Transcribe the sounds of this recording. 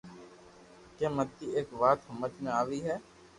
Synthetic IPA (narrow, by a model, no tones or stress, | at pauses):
kẽːmət̪ːiːeːkʋaːt̪ɦəmət͡ʃmẽaːʋiːɦɛː